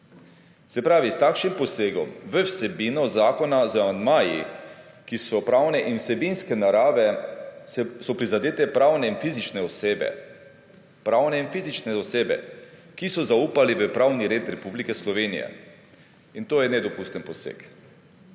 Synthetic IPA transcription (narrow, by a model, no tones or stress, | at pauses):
sɛpɾaːʋist̪aːkʃnimpɔseːɡɔ̰mʋəwsɛbinɔzaːkɔnazamand̪maːjḭ | kisɔpɾaːwnɛʔinwsɛbinskɛnaɾaːʋɛ | sɔpɾizad̪eːt̪ɛpɾaːwnɛinfizit͡ʃnɛɔsebɛ̰ | pɾaːwnɛinfizit͡ʃnɛɔseːbɛ̰ | kisɔzauːpaliʋəpɾaːwniɾeːt̪ɾɛpublikɛslɔʋeːnḭjɛ̰ | int̪oːjɛnɛd̪ɔpust̪ənpɔsḛk